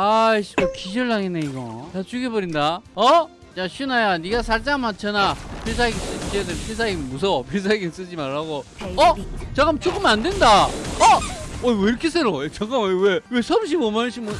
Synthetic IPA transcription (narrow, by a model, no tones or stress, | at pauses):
aɕʰikokiɕʌɭːaŋineiɡʌtat͡ɕuɡebʌɾindaʌ | t͡ɕaɕʰinajaniɡasʰaɭt͡ɕ͈amant͡ɕʰʌnapʰes̬ʰaiɡis͈ɯt͡ɕedɯpʰes̬ʰaiɡimmus̬ʰʌpʰes̬ʰaiɡims͈ɯd͡ʑimaɭːaɡoʌt͡ɕaɡamt͡ɕ͈ok͈ɯmandwendaʌoweiɾʌkʰes͈ʰeɾoet͡ɕak͈amwewesʰʌmɕ̬ʰibomanɕʰimu